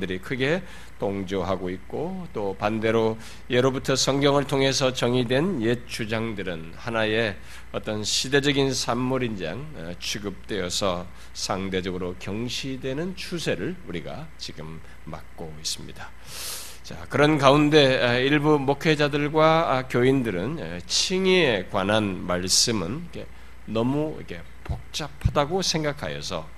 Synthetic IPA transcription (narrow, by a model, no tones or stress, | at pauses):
dɯɾikʰɯɡe̞ | toŋd͡ʑoɦaɡoit̚k͈ot͈opande̞ɾo | je̞ɾobutʰʌsʰʌŋɡjʌŋɯɭtʰoŋɦe̞sʰʌt͡ɕʌŋidwe̞nje̞t͡ɕʰud͡ʑaŋdɯɾɯn | hanaje̞ | ʌt͈ʌnɕʰide̞d͡ʑʌɡinsʰamːuɾind͡ʑa̰ŋ | t͡ɕʰuɡɯp̚t͈we̞jʌsʰʌ | sʰaŋde̞d͡ʑʌɡɯɾokjʌŋɕʰidwe̞nɯnt͡ɕʰusʰe̞ɾɯɭuɾiɡa̰ | t͡ɕiɡɯmː | a̰k̚k͈ois͈ɯmɲḭd̥a | t͡ɕa̰kɯɾʌnkaunde̞iɭbumokʰe̞d͡ʑadɯɭɡwakjoindɯɾɯnt͡ɕʰiŋiekwanɦanmaɭs͈ɯmɯnikʰe | nʌmuḭkʰe̞ | pok̚t͡ɕ͈apʰadaɡosʰe̞ŋɡakʰa̰jʌ̰sʰʌ̰